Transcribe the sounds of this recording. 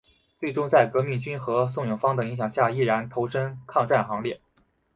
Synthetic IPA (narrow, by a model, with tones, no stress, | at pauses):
t͡swe˥˩ɪʈ͡ʂʊ˥ŋt͡sa˥˩ɪkɤ˧˥mi˥˩ŋt͡ɕy˥nxɤ˧˥s̬ʊ˥˩ŋjʊ˨˩ŋfɑ˥ŋd̪ə˨i˧˥ŋɕjɑ˨˩ŋɕja˥˩i˥˩ɻa˧˥nt̪ʰo˧˥ʊʂə˥nkʰɑ˥˧ŋʈ͡ʂa˥˩nxɑ˧˥ŋljɛ˥˩